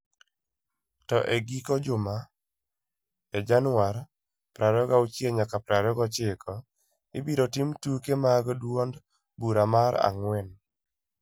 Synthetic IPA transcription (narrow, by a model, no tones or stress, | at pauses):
tɔʔeɡikɔd͡ʒʊma | ɛd͡ʒanwaɾ | pɾaɾɔɡaut͡ʃjeɲakapɾaɾɔɡɔt͡ʃɪkʰɔ | ɪ̰biɾɔtimtukemaɡɔdwwond | buɾamaɾa̰ŋwɛn